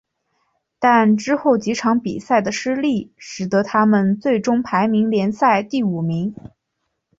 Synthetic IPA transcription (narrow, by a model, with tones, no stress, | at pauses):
t̪a˥˧nʈ͡ʂɻ̩˥xo˥˩ʊt͡ɕi˧˥ʈ͡ʂʰɑ˧˥ŋpi˨˩sa˥˩ɪd̪ə˩ʂɻ̩˥li˥˩ʂɻ̩˨˩t̪ɤ˧˥t̪ʰa˥mə˨nt͡swe˥˩ɪʈ͡ʂʊ˥ŋpʰa˧˥ɪmi˧˥ŋljɛ˧˥nsa˥˧ɪt̪i˥˩u˨˩mi˧˥ŋ